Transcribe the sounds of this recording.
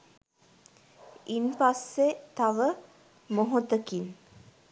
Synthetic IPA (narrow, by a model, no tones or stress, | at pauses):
inpasːet̪aʋə | moɦot̪əkin